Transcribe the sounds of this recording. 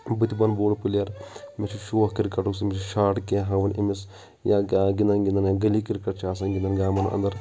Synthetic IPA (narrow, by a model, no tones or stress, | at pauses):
bɨt̪ʲibɐnboːɽpuljɐɾmit͡ʃʰiʃoːhkiɾkɐʈuks̬mit͡ʃʰuʃaːʈkeːɦãːʋɐnḭmis | jaːɡind̪ɐnɡind̪ɐnjaɡɐlikiɾkɐʈt͡ʃʰaːs̬ɐnɡʲɪnd̪ɐnɡaːmɐnɐ̰nd̪ɐɾ